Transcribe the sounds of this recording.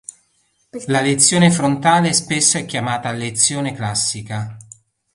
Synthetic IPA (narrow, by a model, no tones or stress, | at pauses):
lalet̪sːjoːnefɾont̪aːlespesːoɛkːjamaːt̪alet̪sːjoːneklasːika